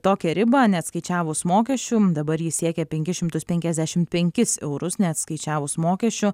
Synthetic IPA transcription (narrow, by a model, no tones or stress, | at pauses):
t̪oːkʲɛɾʲɪbɐnʲɛɐt̪skɐɪt͡ʃʲæːʋʊsmoːkʲɛʃʲt͡ʃʲud̪ɐbɐɾjisʲiɛkʲɛpʲɛŋʲkʲɪʃʲɪmt̪ʊspʲɛŋʲkʲɛzʲd̪ʲæʃʲɪmt̪pʲɛŋʲkʲɪsɛ̰ʊɾʊsnʲɛɐt̪skɐɪt͡ʃʲæːʋʊsmoːkʲɛʃʲt͡ʃʲʊ